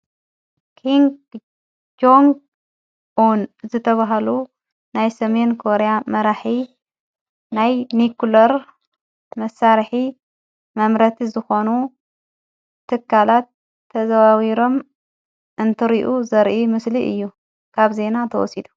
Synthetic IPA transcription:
kʰiŋɡ | d͡ʒoŋɡ | ʔunzɨt̪ʰɐβaɦɐlu | najsɐme̞nkʰo̞ɾejamɐɾaħi | najnikulɐɾ | mɐsaɾħi | mɐmɾɐt̪ʰizɨxo̞nu | t̪ʰːɨkʰːalat̪ʰː | ɐzawawiɾo̞m | ʔɨnt̪ʰɨɾiʔuzɐɾʔimɨsliʔɨ̰jːu | kʰaβze̞nat̪ʰɐwɔ̰sid̪u̥

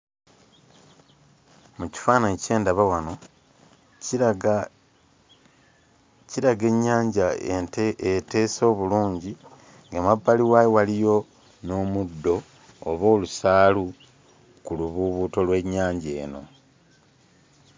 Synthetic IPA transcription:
muci̥faːnaece̞ːndaβawano̞ | ciɾaɡe̞ɲːaːɲɟa | ete̞ːso̞ːβuluːɲɟi | ŋɡamabːaliwaːjewalijo̞ | no̞ːmudːo̞ː | βo̞ːlusaːlu | kuluβuβuto̞lwe̞ɲːaːɲɟe̞̰ːno̞̰

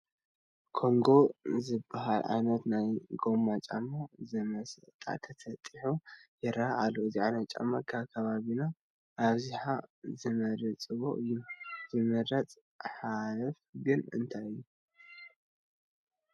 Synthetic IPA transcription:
kʰo̞ŋɡo̞zɨbːaɦalʕa̰jnɐt̪najɡo̞mːat͡ʃʼamozɨmɐst̪ʼa̰t̪ʰɐt̪ʰɐt̪ʼɨħujɛɾaʔalːoɨziʕanɐt͡ʃʼa̰makʰaβkʰɐβaβina | ʔːβziħazɨmɐɾɨt͡sʼɨβo̰ʔɨjːuzɨmɨɾɐt͡sʼ | ħalɐfɡɨnɨ̰nt̪ʰajɨjːu

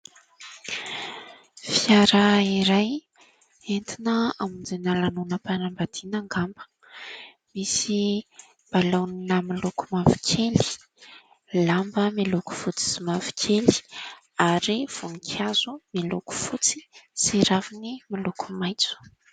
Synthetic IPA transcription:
fiaɾəiɾaj | ent̪inəamind͡zenalanunəpanambad̪̥inaŋɡambə̥ | misi | b̥alawninəmiluku̥mavi̥kʲʰeli̥ | lambəmiluku̥fut͡si̥simavi̥kʰeli̥ | aɾiv̥unikʰiazumiluku̥fut͡si̥siɾavinimilukumajt͡su̥

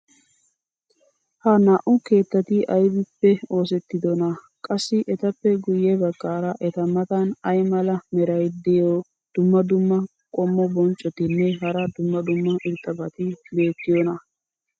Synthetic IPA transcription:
hɐnaːʔʊke̞ːt̪ːɐt̪ɪʔɐjbɪpːɛo̞ːsɛt̪ːɪd̪ɔnɐ | kʼɐsːɪʔɛt̪ɐpːɛɡʊjɛbɐɡːaːɾɐʔɛt̪ɐmɐt̪ɐnɐjmɐlɐmɛɾɐjd̪ɛjo | d̪̥ʊmːɐd̪ʊmːɐ | kʼɔmːɔbɔnt͡ʃʼːɔt̪ɪnːɛɦɐɾɐd̪ʊmːɐd̪ʊmːɐʔɪɾt̪ʼːɐbɐt̪ɪbe̞ːt̪ːɪjɔnɐ

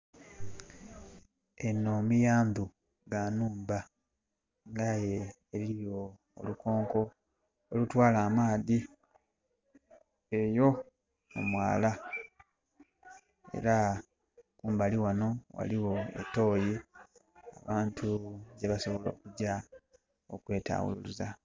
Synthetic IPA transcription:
e̞nomijaːndu | ɡanuːmba | ŋɡajeː | liɾijo̰ː | luko̞ːŋko̞ | olutwaːlaːmaːði | ejo̞ | mumwaːla | e̞̰ɾa | kuːmbaliwano̞wa̰liwo̞ḛto̞ːji | a̰βaːntʰuɟe̞βaso̞βo̞lo̞̰ːkuɟa | o̰kwe̞ːta̰ːwṵluluza

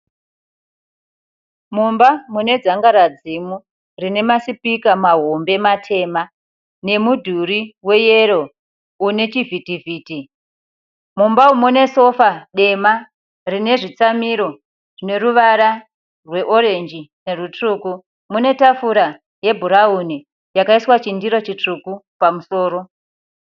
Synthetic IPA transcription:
mumbamune̞d͡zaŋɡaɾad͡zimu | rine̞masipikamaɦombe̞matʰe̞ma | ne̞mudʱuɾiwe̞je̞ɾo̞ | une̞t͡ʃivʱitiviːti | mumbaumune̞so̞faɗe̞ma | rine̞ʐit͡samiɾo̞ | ʐine̞ɾuʋaɾa | rwe̞ʔo̞ɾe̞nd͡ʒine̞rut͡ʂuku | mune̞tafuɾa | je̞bʱuɾauni | jakaiswat͡ʃindiɾo̞t͡ʃit͡ʂuku | pamuso̞ːɾo̞

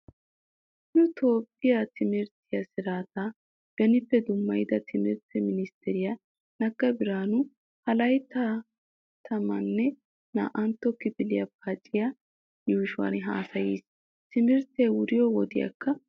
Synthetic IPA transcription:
nʊt̪ʰoːpʼːɪjat̪ʰɪmɪɾt̪ʰɪjɐsɪɾaːt̪aː | ɡ̥ɐnɪpːɛd̪ʊmːɐjɪd̪ɐt̪ʰɪmɪɾt̪ɛmɪnɪst̪ʰɛɾɪjɐ | nɐɡːɐbɪɾaːnʊ | hɐlɐjt̪a | t̪ʰɐmɐnːɛ | na̰ːʔɐnt̪ːɔkːɪbɪlɪjɐpɐt͡ʃʼːɪja | juːʃʊwɐ̰nɦa̰ːsɐjiːs | t̪ɪmɪɾt̪ejwʊɾɪjɔwɔd̪ɪjɐ̰kːɐ

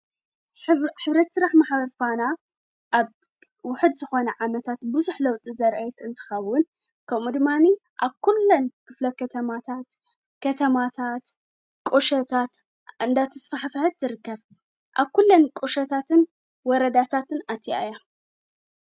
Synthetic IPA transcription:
ħɨβɾɐt̪sɨɾaħmaħbɐɾfana | ʔaβ | wʊħɨd̪zɨxo̞nɐʕamɐt̪ʰat̪bɨzuħlɐwt̪ʼizɐɾʔɐjɛt̪ɨnt̪ʰɨ̥xɐwːʊn | kʰɐmud̪ɨmːaniʔaβkʰulːɐnkʰɨflɐkʰɐt̪ʰɐmat̪ʰat̪ | kʰɐt̪ʰɐmat̪ʰat̪ | kʼuʃɐt̪ʰat̪ | ɨnd̪at̪ʰɐsfaħfħɨt̪zɨɾɨkːɐβ | ʔaβkulːɐnkʼuʃɐt̪ʰat̪ʰɨn | wɔɾɐd̪at̪ʰat̪ɨnat̪ʰia̰ja

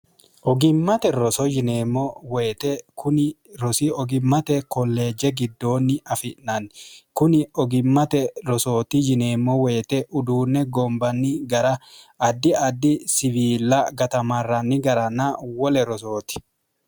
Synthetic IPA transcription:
ʔɔɡɪmːɐt̪ɛɾɔsɔd͡ʒɪneːmːɔweːt̪ɛkʰʊn | ɾɔsiɔɡɪmːɐt̪ɛkɔlːe̞ːd͡ʒɛɡɪd̪ːo̞ːnːɪʔɐfɪʔnɐnkʊnɪɔɡɪmːɐt̪ɛɾɔso̞ːt̪ɪd͡ʒɪneːmːɔweːt̪ɛʔʊd̪uːnːɛɡɔmbɐnːɪɡɐɾɐːd̪ːɪɐd̪ːɪsɪviːlɐɡɐt̪ɐmɐrɐnːɪɡɐɾɐnawɔlɛɾɔsoːt̪ɪ̥

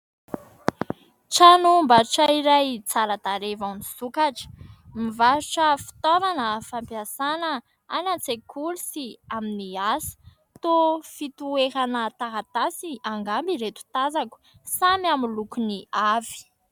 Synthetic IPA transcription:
ʈ͡ʂanumbaɾuʈ͡ʂaiɾajt͡saɾəd̪aɾevansukaʈ͡ʂə̥mivaɾuʈ͡ʂəfi̥t̪ovanəfampjasanə | anant͡sekʰulisiaminiasi̥ | t̪ofit̪ueɾanət̪aɦat̪asiaŋɡambiɾet̪u̥t̪azaku̥ | samamilukuniavi̥

